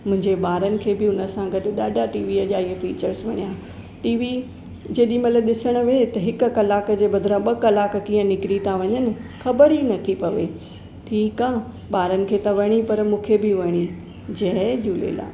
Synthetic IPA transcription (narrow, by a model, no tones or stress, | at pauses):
mʊ̃ɦɪ̃ɲd͡ʑeɓaːɾənɪ̆kʰeːbɪʊnə̆sãɡɐɗʊ̆ɗaːɖʱaʈiːʋiɐʄaːiəfiːt͡ɕəɾsʋɐɽijaː | ʈiːʋi | d͡ʑeːɗĩmɐt̪ləɗɪsəɽ̃ʊ̆ʋet̪ɐɦɪkʊ̆kɐlaːkd͡ʑeːɓɐd̪ʱɪɾãɓɐkɐlaːk̆kĩːə̃nɪkɪɾit̪aʋɐɲənɪ̆xɐbəɾinɐt̪ʰipɐʋe | ʈʰiːkãː | ɓaːɾənɪ̆kʰeːt̪ɐʋɐɽ̃ipɐɾmũːkʰebɪʋɐɽ̃i | d͡ʑɐɦd͡ʑuːlḛːla̰ː